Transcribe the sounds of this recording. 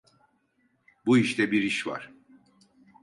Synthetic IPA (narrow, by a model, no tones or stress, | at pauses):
buiʃt̪ɛbiɾiʃva̰ɾ̥